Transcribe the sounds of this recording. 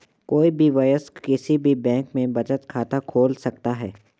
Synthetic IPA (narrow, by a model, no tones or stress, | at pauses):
koːibʱiʋɐjəskɪsibʱibɛ̃ːŋkmẽbɐd͡ʒət̪kʰaːt̪akʰoːlsɐk̚t̪aɦɛː